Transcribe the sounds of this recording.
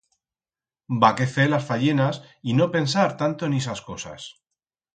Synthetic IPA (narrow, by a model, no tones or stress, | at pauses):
bake̞θelasfaʎe̞nas | ino̞pe̞ns̬aɾt̪ant̪oenes̬asko̞sa̰s